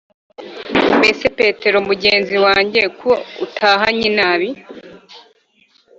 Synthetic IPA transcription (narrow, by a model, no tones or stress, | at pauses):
mbesepe̞ːte̞ɾomuɟe̞ːnziwaːɲɟe̞koutʰaːɦaɲinaβi